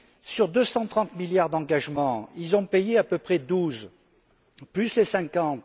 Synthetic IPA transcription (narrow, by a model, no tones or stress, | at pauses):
syʁd̪øsɑ̃t̪χɑ̃t̪miljaʁd̪ɑ̃ɡaʒmɑ̃ilzɔ̃pejeapøpχɛd̪uz | plyslesɛ̃kɑ̃t̪